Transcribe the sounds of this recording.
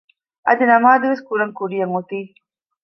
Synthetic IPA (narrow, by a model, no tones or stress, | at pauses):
ɐ̰d̪inɐmaːd̪uʋeskuɾɐŋkuɾijɐŋot̪iː